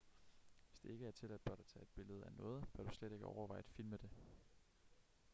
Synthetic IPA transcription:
ʋe̝sd̥e̝e̝ɡ̥əæɐt͡sʰe̝læd̥̚b̥ɶɐɾ̥ɑt͡sʰɛ̰ːe̝d̥̚b̥e̝ləð̞̩ˠænɔ̽ːð̞̩ˠʋ̥æɐɾ̥usleɾ̥e̝ɡ̥əʔɒʊɐʋɑ̈ɪ̰d̥filməd̥e̝

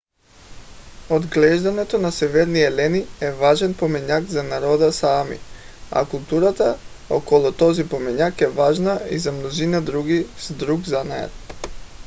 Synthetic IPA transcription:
od̪ɡlɛʒd̪anɛt̪onasɛvɛɾniɛlɛniɛvaʒɛnpɔmɛɲakzanaɾɔd̪asaamḭ | a̰kulˠt̪uɾat̪a | o̰kɔlˠɔt̪ɔzipɔmɛɲakɛvaʒnaḭzamnɔzinad̪ɾuɡisd̪ɾuɡzanaja̰t̪

